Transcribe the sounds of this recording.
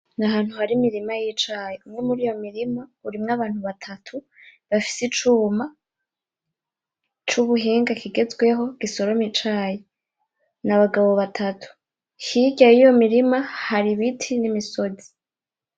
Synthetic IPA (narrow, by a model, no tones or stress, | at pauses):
naɦaːn̥huhaɾimiɾimajit͡ʃaːjeumŋe̞muɾiːjo̞miɾimauɾimŋaβaːnhuβatʰatʰu | βafi̥sit͡ʃuːma | t͡ʃuβuɦiːŋɡakʰiɡe̞zɡwe̞ɦo̞ɡ̥iso̞ɾo̞mit͡ʃaːje | naβaɡaβo̞βatʰatʰu̥ | hiɟajijo̞miɾimahaɾiβitʰinimiso̞zi̥